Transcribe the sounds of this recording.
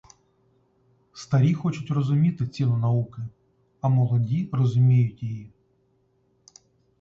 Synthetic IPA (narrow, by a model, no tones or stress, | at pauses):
st̪ɐɾʲixɔt͡ʃʊtʲrɔzʊmʲit̪ɪt͡sʲinʊnɐukɪ | ɐmɔlˠɔdʲirɔzʊmʲijʊtʲjiji